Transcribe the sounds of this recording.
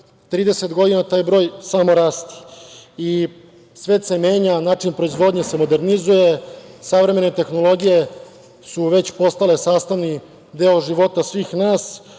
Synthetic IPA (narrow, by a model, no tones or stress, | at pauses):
t̪ɾiːd̪e̞set̪ɡo̞d̪inat̪aːjbɾo̞ːjsamo̞ɾaːst̪i̥i | sʋeːt̪se̞meːɲanaːt͡ʂinpɾo̞izʋo̞d̪ɲese̞mo̞d̪eɾnizuje̞saʋɾe̞me̞net̪e̞xno̞lˠo̞ɡije̞ | suʋe̞t͡ɕpo̞st̪ale̞saːst̪aʋni | d̪eoʒiʋo̞t̪asʋiːxnaːs